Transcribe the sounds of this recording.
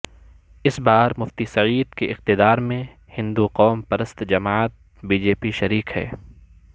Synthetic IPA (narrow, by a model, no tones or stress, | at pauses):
ɪsbaːɾmʊft̪isɐʕiːd̪̚keʔɪqt̪ɪd̪aːɾmẽ | hɪ̃nd̪uqɔːmpɐɾəst̪d͡ʒɐmaːət̪̚ | biːd͡ʒeːpiʃɐɾiːqhɛ̰ː